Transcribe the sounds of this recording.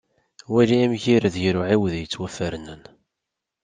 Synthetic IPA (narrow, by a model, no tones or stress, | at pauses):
wæliæmçiɾðʝɾʊʕiwðjət͡sːwæfəɾnən